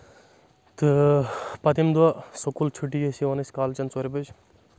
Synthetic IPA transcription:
t̪ɨpɐt̪imd̪uwasokult͡ʃʰuʈijesiʋɐnɐsʲkaːlt͡ʃɐnt͡soɾʲibɐd͡ʒ

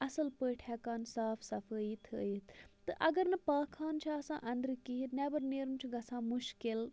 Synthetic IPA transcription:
ɐsəlpəːʈʰɛːkaːnsaːfʰsɐfʰəːit̪ʰəːit̪ʰt̪ɨʔɐɡəɾnɐpaːkʰːaːnt͡ʃʰasã̰ːʔɐ̃nd̪əɾkinɛːbəɾneɾmt͡ʃʰɡɐsãːmʊʃkɪl

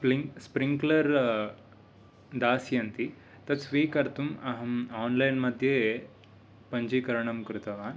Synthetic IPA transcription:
pispɾiŋklɐɾ | d̪aːsjɐnt̪i | t̪ɐt̪sʋiːkɐɾt̪ʰumɐɦɐmaːnlɐjnmɐd̪ʱje | pɐɲd͡ʒikɐɾɐɳɐmkɾut̪ɐʋaːn

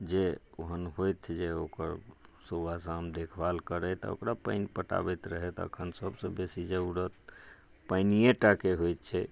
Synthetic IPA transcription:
d͡ʒeoɦənɦojt̪ʰd͡ʒeokəɾsobasamd̪ekʰbalkəɾɛt̪ɔ̰o̰kɾapə̰ɪnpəʈa̰bəjt̪ɾəɦɛt̪ə̰kʰənsəbsə̃besid͡ʒeuɾət̪ | pəɪnijeʈakeɦojt̪̚t͡ʃʰɛ

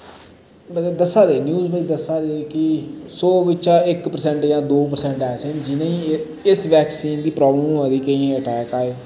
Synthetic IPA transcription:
məd̪əsːaːd̪eːnjuːzbaiːd̪əsaːd̪eːkɪsoːbɪt͡ʃaːɪkpəɾsɛ̃ɳʈjãːd̪oːp̬əɾsɛ̃ɳʈɛːsẽnd͡ʒɪnẽĩː | ɪsʋɛːksiːnd̪iːpɾɔːbləmad̪iːkəĩːẽəʈɛːkaːeː

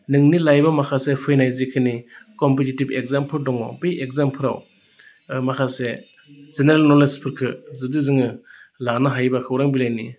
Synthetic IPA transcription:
nɯŋnilajbamakʰasepʰɯjnajzikʰɯnikɔmpetitibeɡ̚zampʰɯɾdɔŋɔ̰bejeɡzampʰɯɾa̰w | makʰase | zeneɾlnɔlespʰɯɾkʰɯzɯdɯzɯŋɯlanɯɦajbakʰawɾaŋbilajni

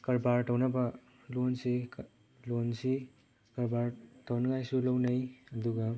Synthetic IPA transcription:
kɐɾbaɾtawnɐbɐ | lonsi | lonsi | kɐɾbaɾtawnɐŋajsulɐwnɐjɐduɡɐ

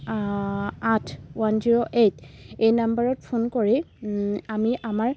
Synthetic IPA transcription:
atʰwanziɹoʔetejnambaɹɔt̚pʰunkoɹi | amiʔamaɹ

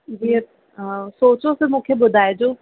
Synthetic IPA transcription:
ɦiəɾ | soːt͡ɕosemũːkʰeɓʊd̪ʱaːɪd͡ʑoː

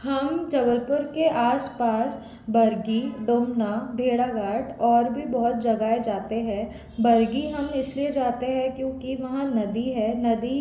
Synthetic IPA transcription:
hɐmd͡ʒɐbəɾpʊɾkeʔaːspaːs | bɐɾɡiɖoːmnabʱeːɽaɡaːʈʰɔːɾbʱibɔɦʊt̪̚d͡ʒɐɡaːed͡ʒaːt̪eɦɛ̃ː | bɐɾɡiɦɐmɪslied͡ʒaːt̪eɦɛ̃kjõːkiʋɐɦãnɐd̪iɦɛ̃ːnɐd̪i

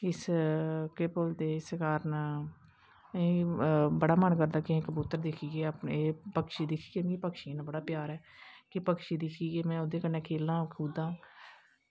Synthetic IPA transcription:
ɪs | keːpold̪eːɪskaːɾən | ĩːbəɽaːmənkəɾd̪aːkɪ̃kbʊt̪ːəɾd̪ɪkʰiːɡeːəpeːpəkʃiːd̪ɪkʰːi̥ːɡeːmĩːpəkʃĩnãːbəɽaːpjaːɾɛːkɪpəkʃiːd̪ɪkʰiːɡeːmɛ̃ːod̪eːkənɛ̃ːkʰeːlãːkʰuːd̪ãː

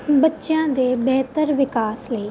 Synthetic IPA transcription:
bɐtːʃãːd̪eːbɛɦt̪əɾʋɪkaːsleː

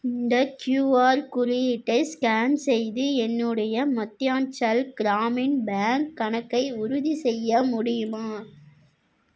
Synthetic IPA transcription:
ɪnd̪ɐkjuːaːɾkʊɾɪjɪʈːɐɪskaːnsɛjðɯɛnːɯɽɐjɐmɐt̪ːjaːnt͡ʃɐlɡ̥ɪɾaːmɪnbaːŋkːɐɳɐkːɐɪʊɾʊðisɛjːɐmʊɽɪjɯmaː

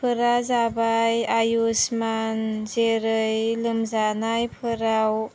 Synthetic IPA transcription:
pʰɯɾazabajajusmanzeɾɯjlɯmzanajpʰɯɾaw

